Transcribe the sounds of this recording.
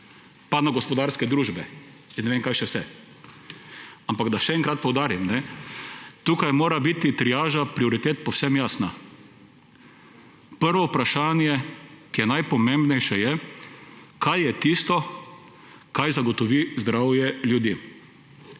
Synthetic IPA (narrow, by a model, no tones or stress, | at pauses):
panaɡɔspɔd̪aːɾskɛd̪ɾuːʒbɛ | t͡ʃɛnɛʋeŋkajʃɛwsɛ | ampaɡd̪aʃɛɛŋkɾat̪̚pɔwd̪aːɾimnɛ | t̪uːkajmoːɾabit̪it̪ɾijaːʒapɾiɔɾit̪eːt̪pɔwsɛmjaːsna | pəɾʋɔupɾaʃaːnjɛkijɛnajpɔmẽmbnɛjʃɛjɛ | kʰajːɛt̪ist̪ɔ | kajzaɡɔt̪ɔʋizd̪ɾawjɛljud̪iː